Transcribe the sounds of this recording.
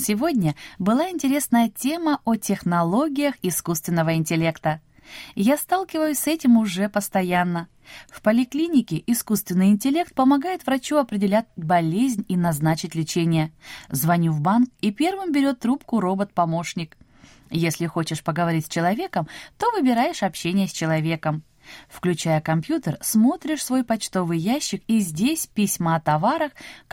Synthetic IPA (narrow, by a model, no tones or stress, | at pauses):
sʲɪvo̞dʲnʲəbɨlˠaɪnʲtʲɪɾʲe̞snəjətʲe̞məʔotʲɪxnɐlˠo̞ɡʲɪjəxɪskust̪vʲɪnːəvəɪnʲtʲɪlʲe̞kt̪ə | jast̪alˠkʲɪvəjʊsʲsɛtʲɪmʊʐɛpəst̪ɐjanːə | fpəlʲɪklʲinʲɪkʲɪʔɪskust̪vʲɪnːɨjɪnʲtʲɪlʲe̞kt̪̚pəmɐɡajɪt̪vɾɐt͡ɕuɐpɾʲɪdʲɪlʲæt̚ʲbɐlʲezʲnʲinɐznat͡ɕɪtʲlʲɪt͡ɕenʲɪjəzvɐnʲuvbankipʲe̞rvɨmbʲɪɾʲo̞t̪ːɾupkʊɾo̞bət̪̚pɐmo̞ʂnʲɪk | jesʲlʲɪxo̞t͡ɕɪʂpəɡəvɐɾʲit̚ʲsʲt͡ɕɪlˠɐvʲe̞kəmt̪o̞vɨbʲɪɾajɪʂɐpɕːenʲɪjəsʲt͡ɕɪlˠɐvʲe̞kəm | fklʲʉt͡ɕajəkɐmpjut̪ərsmo̞t̪ɾʲɪʂsvo̞jpɐt͡ɕt̪o̞vɨjjæɕːɪkizʲdʲesʲpʲɪsʲməɐt̪ɐvaɾəx